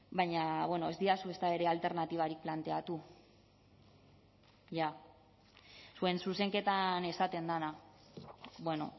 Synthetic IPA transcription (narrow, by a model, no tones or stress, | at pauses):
baɲaβwe̞no̞ezd̪iasue̞st̪ae̞ɾe̞alt̪e̞ɾnat̪iβ̞aɾik̚plant̪e̞at̪u | ʝa | sue̞nsuse̞ŋke̞t̪ane̞sat̪e̞nd̪ana | bwe̞no̞̰